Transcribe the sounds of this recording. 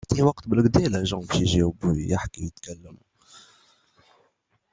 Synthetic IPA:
t̪iwɑqt̪bəlqd̪ilæʒɑ̃bəʃjʒiwbjəħkijət̪kælːəmu

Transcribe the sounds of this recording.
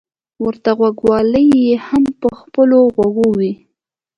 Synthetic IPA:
wəɾt̪aɣwaɡwɑləjːehampəxpəloɣwaɡowi

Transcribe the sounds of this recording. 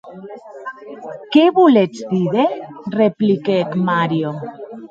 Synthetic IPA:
keβulet͡sd̪iðereplikekmaɾjo

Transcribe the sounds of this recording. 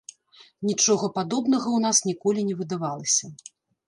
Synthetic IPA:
nʲit͡ʂɔɣɐpad̪ɔbnɐɣɐwnasnʲikɔlʲinʲɛvɨd̪avalˠɐsʲɐ

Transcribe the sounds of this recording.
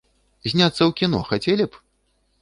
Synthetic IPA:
zʲnʲat̪sːɐwkʲinɔ̰xat͡sʲɛlʲip

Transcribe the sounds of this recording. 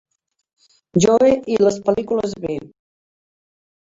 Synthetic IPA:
ʒoeʔiləspəlikuləzβe

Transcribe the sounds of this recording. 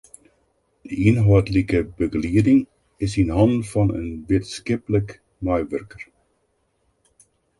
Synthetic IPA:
dəiənɦɔtlikəbəɡliədɪŋ | ɪsinɦɑndfɑnə̰nʋiətskɪplək | mœjʋørkər

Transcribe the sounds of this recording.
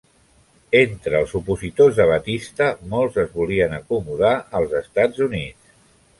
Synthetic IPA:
ent̪ɾəːlˠzupuzit̪ozðəβət̪ist̪əmolˠzəzβuliənəkumuðaʔəlˠzəst̪ad͡zunit͡s

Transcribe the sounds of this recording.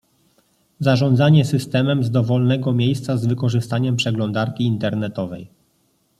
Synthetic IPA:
zaʐɔnd̪zaɲɛsɘst̪ɛmɛmzd̪ɔvɔlnɛɡɔmʲjejst̪sazvɘkɔʐɘst̪aɲɛmpʂɛɡlɔnd̪aɾkʲiːnt̪ɛɾnɛt̪ɔvɛj

